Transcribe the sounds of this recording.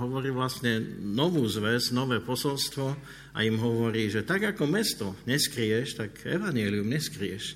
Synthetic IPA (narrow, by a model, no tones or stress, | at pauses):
ɦɔʋɔɾiːʋlast̪ɲɛnɔʋuːzʋɛznɔʋɛːpɔsɔlst̪ʋɔ | ʔa̰imɦɔʋɔɾiːʒɛt̪aɡakɔmɛst̪ɔɲɛskɾiɛʃt̪aɡɛ̰ʋaɲjɛːliumɲɛskɾiɛʃ